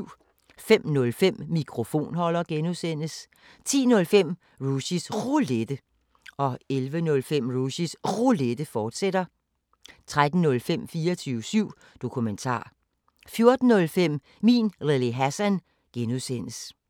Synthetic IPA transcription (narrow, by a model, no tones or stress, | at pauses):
fem̰nɔ̽lfem̰mikʰʁo̝fo̝̰ːnhɒ̽l̰ɐɡ̥enuðˠsen̰əs | t͡sʰḭːnɔ̽lfem̰ | ʁuɕisʁuled̥ə | ɒ̽elʋənɔ̽lfem̰ʁuɕisʁuled̥əfɒːd̥sed̥ɐ | t͡sʰʁad̥n̩ːɔ̽lfem̰fiːɐɒt͡sʰyːʊsyʊ̰ | d̥o̝kʰument͡sʰɑ̰̈ː | fjo̝ɐd̥n̩ːɔ̽lfem̰ | mḭːnʁelˠiɦæsæn | ɡ̥enuðˠsen̰əs